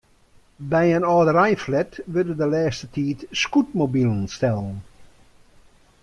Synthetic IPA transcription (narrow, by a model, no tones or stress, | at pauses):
bɛjənɔːdəɾɛjflɛtʋødəndəlɛːstətʰiːtskut̚mobilˠənstɛlˠən